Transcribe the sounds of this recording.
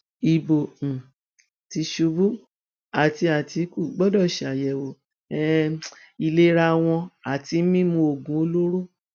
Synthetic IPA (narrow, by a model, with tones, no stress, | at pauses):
i˨bõ˨ | ti˧ʃu˧˦bu˦ | a˨ti˧a˨ti˨˧˦ku˦˨ɡ͡bɔ˦dɔ˦˨ʃi˨a˨jɛ˨wo˨ | ɛ˦ | i˨le˦ɾa˧w̃ɔ̃˧a˨ti˧˦mĩ˦mũ˧o˨ɡũ˨˦o˧lo˦ɾo˦